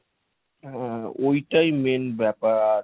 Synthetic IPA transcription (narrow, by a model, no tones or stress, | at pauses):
ɦɛ̃oiʈaimenbɛpaɾa